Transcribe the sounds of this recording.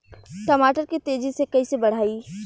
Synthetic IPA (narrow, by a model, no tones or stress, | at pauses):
ʈɐmaːʈəɾkit̪eːd͡ʒisekɐisebɐɽ̤aːiː